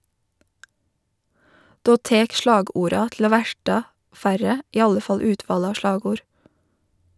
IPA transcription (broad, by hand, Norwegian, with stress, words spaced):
ˈdoː ˈteːk ˈʃɭɑːˌɡuːɾɑ tl̩ ˈoː ˈʋæʈɑ ˈfæɾə ˈiː ˈɑlə ˈfɑl ˈʉːtʋɑːlə ˈɑː ˈʃɭɑːɡuːɾ